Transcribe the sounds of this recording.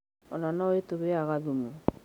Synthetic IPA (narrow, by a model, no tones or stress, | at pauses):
ɔnanɔetoβeaɣaðumu